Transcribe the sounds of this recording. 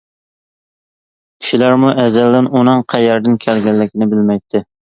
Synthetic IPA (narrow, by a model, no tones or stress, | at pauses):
kʲʰi̥ʃilæɾmuʔɛzɛld̪ɪnunɨŋqʰæjɛɾd̪ɪnkʲʰælɡʲɛlːɪkʲinɪbɪlmɛjt̪ʰːɪ